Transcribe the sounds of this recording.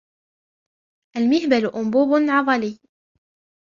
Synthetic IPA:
ʔalmɪhbalʔʊmbuːbnʕɑðˤɑliː

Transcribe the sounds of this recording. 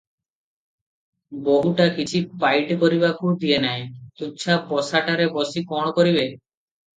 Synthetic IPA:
boɦuʈakit͡ʃʰipajʈkoɾibakʰud̪ijenajt̪uːʃʰapɔsaʈaɾebɔsikɔɽ̃ɔkoɾiβe

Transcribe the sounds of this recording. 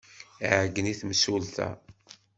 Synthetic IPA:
ʕəɡːəniθməsult̪æ̰

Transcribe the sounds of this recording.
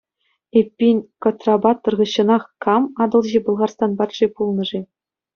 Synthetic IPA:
epʲːinʲkot̪rɑbɑt̪ːɤ̆rʁɤ̆ɕːɤ̆nɑχkɑmɑd̪ɤ̆lˠʑebɤ̆lˠʁɑrst̪ɑnbɑt̪ʂepulˠnɤ̆ʐe

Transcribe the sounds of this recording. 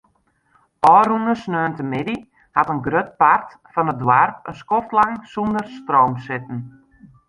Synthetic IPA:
ʔɔːrunəsnøːntəmɪdi | hatənɡrøt̚part | fɔnət̚dwarpəskɔftlaŋsundərstrowmsɪtn̩

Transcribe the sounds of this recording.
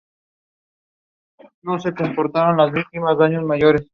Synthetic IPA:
nosekompoɾt̪aɾonlazbik̚t̪imazaɲosmajoːɾes

